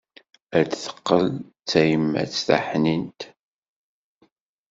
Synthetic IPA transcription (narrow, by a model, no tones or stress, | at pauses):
əɾd̪θə̥qːəl | t͡sːæjəmːæ̰t͡sːθa̰ħnint̪